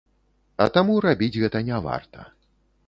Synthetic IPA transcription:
ɐ̰t̪amuɾabʲid͡zʲɣɛt̪ɐnʲava̰rt̪ɐ̰

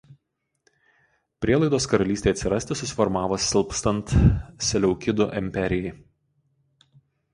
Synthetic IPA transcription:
pʲɾʲiɛlˠɐɪd̪oːskɐɾɐlʲiːst̪ʲeɪɐt̪sʲɪɾɐsʲt̪ʲɪsʊsʲɪ̥fɔɾmɑːʋoːsʲɪlˠpst̪ɐnt̪sʲɛlʲɛʊkʲɪd̪oʔɛmʲpʲɛɾʲɪjɛɪ

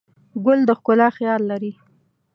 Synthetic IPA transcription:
ɡʊld̪əxkʊlɑxjɑlːaɾi

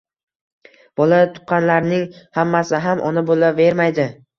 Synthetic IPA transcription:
b̥ɒlat̪ʰʊ̥qqɑnlaɾnɪŋhamːasɪɦamʔɒ̰nɪbolave̞ɾmajd̪ɪ

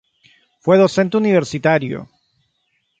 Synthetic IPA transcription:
fweðose̞nt̪euniβ̞eɾsit̪aɾjo̰

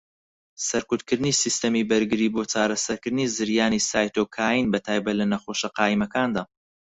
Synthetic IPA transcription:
sɐɾkut̪kɨɾd̪ɨnisist̪ɐmiːbɐɾɡɨɾiːboːt͡ʃaːɾɐsɐɾkɨɾd̪ɨnizɨɾjaːnisaːjt̪oːkʰaːjinbɐt̪ʰaːjbɐt̪lɐnɐxoːʃɐqɑːimɐkaːnd̪aː

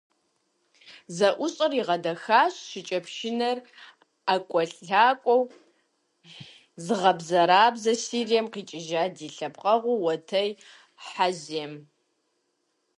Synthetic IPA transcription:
zɐʔʷʊɕʼɐriʁɐdɐxaːɕɕʷɪt͡ʃʼɐpʰʃɪnɐr | akʷʼɔɬaːkʷʼɔw | zɨʁɐbzɐɾaːbzɐsiːrijɛmqiːt͡ʃʼɪʒaːdiːɬɐpqʼɐʁʷʊwɐtʰɐj | ħazem

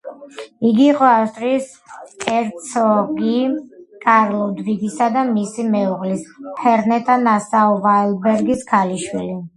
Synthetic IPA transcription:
iɡiːqʼɔafst̪ʼɾiːs | kʼɛɾt̪sʰɔɡikʼaɾlˠɔd̪viɡisad̪amisimɛuʁlishɛɾnɛt̪ʼanasaɔvaɛlbɛɾɡiskʰaliʃwili

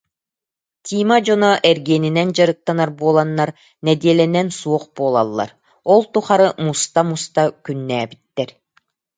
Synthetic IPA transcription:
t̪ʲiːmad͡ʑɔnɔʔɛɾɡiɛninɛnd͡ʑaɾɯk̚t̪anaɾbuɔlˠanːaɾ | nɛd̪iɛlɛnɛnsuɔχbuɔːlˠa̰lˠːa̰ɾ | ɔlˠt̪uχaɾɯmust̪amust̪akynːæːbit̪ːɛɾ

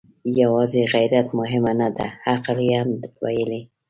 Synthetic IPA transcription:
jawɑzeɣajɾat̪mʊɦɪmanad̪ahaqljeamwa̰jəli

